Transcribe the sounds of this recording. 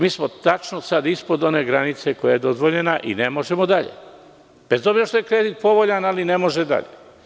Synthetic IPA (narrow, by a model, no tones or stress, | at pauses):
miːsmot̪at͡ʃnosad̪ispo̞d̪o̞ne̞ɡɾanit̪se̞kojaje̞d̪o̞zʋo̞ʎe̞naʔḭnemo̞ʒemod̪aʎḛ | b̥ezd̪obiɾeʃt̪ojekɾed̪it̪̚po̞ʋoʎanalinemo̞ʒed̪a̰ʎḛ